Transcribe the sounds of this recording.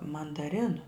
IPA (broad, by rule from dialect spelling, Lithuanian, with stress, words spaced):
mɐndɐˈrʲɪnʊ